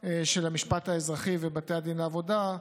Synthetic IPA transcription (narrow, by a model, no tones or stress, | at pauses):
eʃelamiʃpataezʁaχivebatejad̪inaːvo̞da